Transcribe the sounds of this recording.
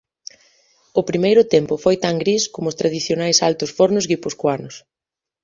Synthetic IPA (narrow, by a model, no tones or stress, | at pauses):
ʊpɾimejɾʊt̪ɛmpʊfojt̪aŋɡɾiskomʊst̪ɾað̞iθjonajsalt̪ʊsfoɾnʊzɣiposkwanʊs